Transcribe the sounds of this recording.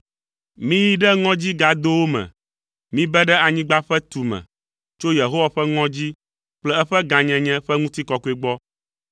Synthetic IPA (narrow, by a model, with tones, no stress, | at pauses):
mĩ˦ji˦ɖɛ˦ŋɔ̃˦d͡ʑi˦ɡa˨d̪o˦wo˦mɛ̰̃˨ | mĩ˦bɛ˦ɖɛ˦a˨ɲĩ˦ɡ͡ba˦ɸɛ˦t̪u˨mɛ̰̃˨ | t͡ʃo˦je˨ɦo˦wa˨ɸɛ˦ŋɔ̃˦d͡ʑi˦ | k͡plɛ˦ɛ˦ɸɛ˦ɡã˨ɲɛ̃˨ɲɛ̃˦ɸɛ˦ŋũ˦t̪i˦kɔ˨ku˦e˦ɡ͡bɔ˦